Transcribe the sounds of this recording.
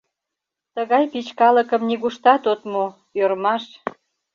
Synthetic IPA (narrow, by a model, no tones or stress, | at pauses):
t̪əɣɑjpit͡ɕkɑləkə̆mniɣuʃt̪ɑt̪ot̪mo | øɾmɑʃ